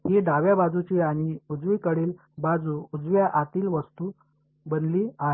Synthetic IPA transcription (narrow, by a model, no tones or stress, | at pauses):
ɦiɖaʋjabad͡zut͡ɕiaɽ̃iud͡zʋikəɽiːl | bad͡zuːd͡zʋjaʔat̪iːlʋəst̪u | bənliːaɦe